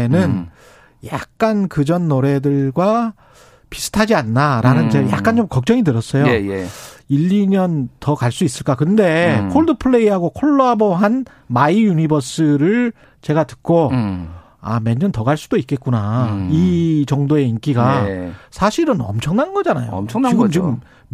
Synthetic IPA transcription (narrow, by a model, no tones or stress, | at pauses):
nɯn | ja̰k̚k͈ankɯd͡ʑʌnːoɾe̞dɯɭɡwa | pi̥sʰɯ̥tʰad͡ʑianːaɾanɯnd͡ʑeja̰k͈ant͡ɕomkʌk̚t͡ɕ͈ʌŋidɯɾʌs͈ʌjoiʎːiɲʌntʌkaɭs͈uis͈ɯɭk͈akɯnde̞kʰoɭdɯpʰɯɭːe̞iɦaɡokʰoɭːoaboɦan | maijunibʌs͈ʰɯɾɯɭ | t͡ɕe̞ɡatɯ̥k̚k͈o | a̰meɲːʌntʌɡaɭs͈ud̥oit̚k͈e̞t̚k͈unait͡ɕʌŋdoe̞ink͈iɡasʰaɕʰiɾɯnʌ̰mt͡ɕʰʌŋnanŋɡʌd͡ʑanajoiɡɯmt͡ɕiɯm